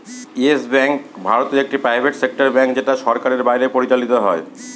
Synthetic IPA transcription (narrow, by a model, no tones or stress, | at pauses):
iesbɛŋkbʱaɾot̪iɾek̚ʈipɾajbʱeʈsek̚ʈaɾbɛŋkd͡ʑeʈaʃɔɾkaɾeɾbajɾepoɾit͡ɕalit̪oɦɔe